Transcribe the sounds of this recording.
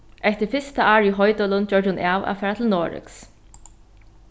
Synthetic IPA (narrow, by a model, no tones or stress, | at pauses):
ɛht̪ɪfɪst̪aʔaːɹiɦɔjt̪ɔlʊnd͡ʒœɹd͡ʒʊnʔaːwa̰fɛːɹat̪ʰɪlnoːɹɪ̰ks